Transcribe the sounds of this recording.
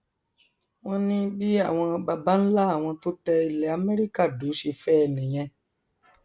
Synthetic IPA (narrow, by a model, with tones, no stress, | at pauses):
w̃ɔ̃˦nĩ˦bi˦a˦˨w̃ɔ̃˧ba˧ba˦n̩˦la˦a˦˨w̃ɔ̃˧to˦tɛ˧i˧lɛ˨a˨mɛ˦ɾi˦ka˦˨du˨˦ʃe˧fɛ˦ɛ˨nĩ˨j̃ɛ̃˧